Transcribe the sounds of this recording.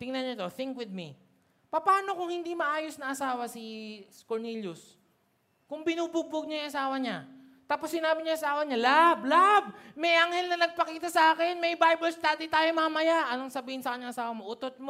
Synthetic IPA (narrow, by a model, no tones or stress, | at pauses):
t̪ɪŋnɐnɲat̪oθɪŋkwɪd̪̚mi | pɐpaːno̞kʊŋhɪnd̪imɐʔaːjosnɐʔɐsaːwɐsɪskoɹniljʊs | kʊŋbɪnuːbʊɡ̚bʊɡ̚ɲajʊŋʔɐsaːwɐɲa | t̪aːposːɪnaːbɪɲajʔɐsaːwɐɲalablab̚mɛjʔɐŋhɛlnɐnɐɡ̚pɐkiːt̪ɐsɐʔaːkɛnmɐjbajbɐlst̪aːd̪it̪aːjomamɐjaʔʔɐnoŋsɐbiːhɪnsɐkɐɲːɐŋʔɐsaːwɐmo̞ʔʊt̪ot̪̚mo